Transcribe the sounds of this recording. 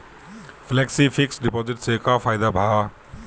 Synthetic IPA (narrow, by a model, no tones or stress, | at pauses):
flɛːksifɪksɖɪpoːzɪʈsekafʰaːjɪd̪abʱaː